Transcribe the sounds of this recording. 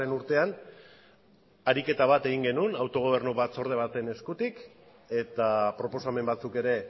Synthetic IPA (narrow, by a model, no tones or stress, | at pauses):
enuɾt̪e̞an | aɾike̞t̪aβat̪e̞ɣ̞iŋɡe̞nunawt̪o̞ɣ̞o̞β̞e̞rnuβat͡so̞ɾð̞e̞β̞at̪e̞ne̞skut̪ik | e̞t̪apɾo̞po̞same̞mbat͡suke̞ɾe̞